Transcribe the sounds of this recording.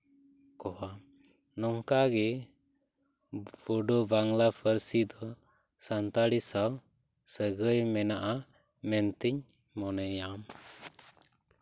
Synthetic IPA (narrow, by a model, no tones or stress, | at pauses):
kɔha | nɔŋkaɡɛ | b̥ɔɖɔbaŋlapʰəɾsid̪ɔ | sant̪aɽisaw | səɡəjmɛnaʔa | mɛnt̪iɲ | mɔnɛjam